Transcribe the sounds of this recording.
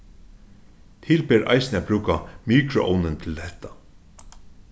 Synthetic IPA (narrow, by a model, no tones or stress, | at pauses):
t̪ʰɪːlpeːɾʔa̰jsnɪat̪bɾʉːkamiːkɾʊʔɔ̰wnɪnt̪ʰɪlhɛht̪ḁ